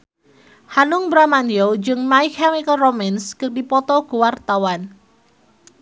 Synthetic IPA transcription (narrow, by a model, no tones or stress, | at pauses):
hanʊŋbɾamanjod͡ʒɨŋmaikʰamikəlromanskərdipɔt̪ɔɡuwart̪awan